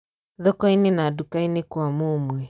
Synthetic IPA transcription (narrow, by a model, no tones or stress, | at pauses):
ðɔkɔinenadukainekwamomwɛ